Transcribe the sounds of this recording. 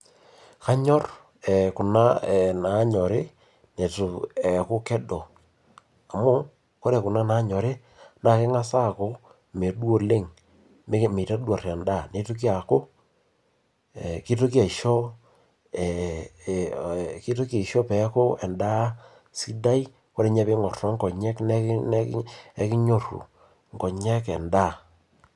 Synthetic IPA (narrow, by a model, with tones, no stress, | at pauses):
ka˦ɲɔ˦r | ɛ˨kʊ˨na˦˨na˨˦ɲɔ˨ɾe˦ | ne˨tʊ˨ɛ˨kʊ˦kɛ˦dɔ˨ | a˨mʊ˦ | ko˦ɾe˨kʊ˨na˦na˨˦ɲɔ˨ɾe˦ | na˨kɛ˦ŋa˦sa˦˨ko˦ | me˨ɗwo˦le˦˨ŋ | m˦me˨ta˦dwa˨rɛ˨nda˦˨ne˦to˦k̬i˦a˨ko˦ | ɛ˨ki˦to˦k̬ja˨i˨ʃɔ˦˨ | ki˦to˦ka˨i˨ʃo˦pɛ˨˦ko˦ɛ˨nda˦ | si˦da˦i˦ | ko˦ɾe˦ɲɛ˦pe˦ŋɔ˨rɔ˦ŋɡɔ˨ɲɛ˦knɛ˦n˦ɛ˦kɪ˦ɲo˦˨rṵ˨ | ŋɡɔ˨ɲɛ˦kɛ̰˨nda˦˨